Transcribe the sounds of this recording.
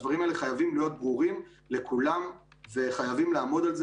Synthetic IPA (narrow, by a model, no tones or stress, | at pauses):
dvaʁimaeleχajavimlijo̞t̪̚bʁuʁim | le̞kʰulamve̞χajavimlaːmo̞d̪alz